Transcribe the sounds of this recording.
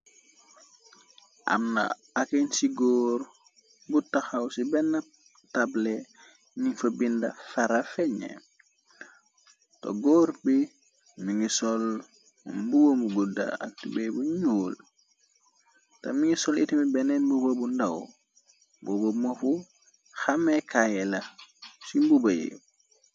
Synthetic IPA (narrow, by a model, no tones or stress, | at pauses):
ʔa̰mna̰ | akensiɡoːɾ | butaxawsibɛnap̚ | tablɛ | niŋfabinda̰faɾafɛɲḛ | tɔ̰ɡɔːɾbi | miŋisɔl | mbubombuɡuda̰a̰k̚tibebuɲuːl | tɐ̰miŋisɔlitimibɛnɛnbubobundaw | bobomofu | xamekajelɐsimbubɐjḭ